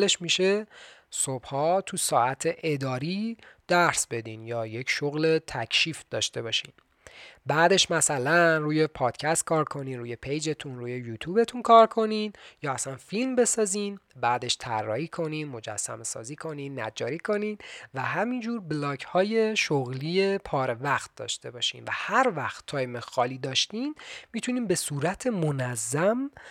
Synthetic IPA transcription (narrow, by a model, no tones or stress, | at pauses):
leʃmiʃe̞sob̥hɒːt̪ʰusɒːæt̪ʰe̞ʔed̪ɒːɾiːd̪̥æɾsbe̞d̪iːnjɒːje̞cʃoɣle̞t̪ʰæcʰʃiːfd̪ɒːʃt̪e̞βɒːʃḭːn | bæːd̪e̞ʃmæsælænruːjepʰɒːd̪̥cʰæst̪̚kʰɒːɾkʰo̞niːnɾuːje̞pʰejd͡ʒe̞t̪ʰunruːje̞juːt̪ʰube̞t̪ʰunkʰɒːɾkʰo̞ninjɒːæsænfilmbe̞sɒːzinbæːd̪e̞ʃt̪ʰæ̰rːɒːhiːkʰo̞ninmo̞d͡ʒæ̰sːæ̰me̞sɒ̰ːziːkʰo̞niːnːæ̰d͡ʒɒːɾiːkʰo̞ninvæhæmind͡ʒuːɾblɒːɡhɒːje̞ʃoɣliːje̞pʰɒːɾe̞væxt̪̚d̪̥ɒ̰ːʃt̪e̞bɒːʃḭːmvæ̰hæɾvæxt̪ʰːɒːjemexɒːliːd̪ɒːʃt̪iːnmiːt̪ʰuniːmbe̞suːɾæt̪ʰe̞monæzːæm